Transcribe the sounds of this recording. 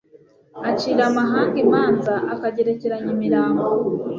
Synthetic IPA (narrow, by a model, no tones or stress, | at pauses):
aciɾamaɦaːŋɡimaːnzaʔakaɟe̞ɾeceɾaɲimiɾaːŋɡo